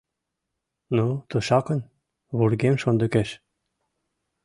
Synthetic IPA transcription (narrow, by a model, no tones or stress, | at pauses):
not̪uʃɑkɤ̆n | βuɾɡemʃond̪ə̆keʃ